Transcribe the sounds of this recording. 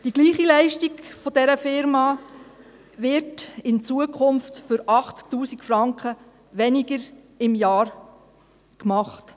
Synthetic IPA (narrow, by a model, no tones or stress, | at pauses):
d̥iɡ̥liːχilɛɪʃtiɡfɔdɛɾəfɪɾmɑː | ʋɪɾtɪnt͡suəkʰχʊmftfʏɾɑχt͡sk̚tuːsikfɾɑŋkχə | ʋɛniɡəɾ | ɪmjɑːɾ | kmɑχt